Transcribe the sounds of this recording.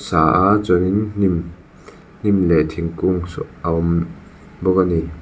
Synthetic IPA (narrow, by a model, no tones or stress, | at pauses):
saʔazɔninnim | nimletʰiŋkuŋsɔawm | bɔkani